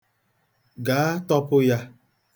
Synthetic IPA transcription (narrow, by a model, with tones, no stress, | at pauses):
ɡa˨˦tɔ˦pʊ˦ja˦